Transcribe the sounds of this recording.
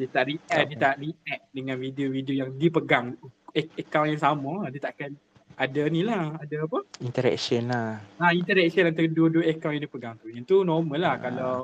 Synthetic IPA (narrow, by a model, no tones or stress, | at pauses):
diət̪aʔriʔɛdiət̪aʔriɛk̚dəŋãnfideovideojaŋdipəɡaŋəkawnjaŋsamadiət̪aʔkan | ʔadanilahadaapəint̪əɾɛ̰ksənlaaint̪əɾɛk̚sənant̪aəduəduəəkaw̃njaŋdipəɡaŋt̪ujat̪unɔrmə̃lahkalaw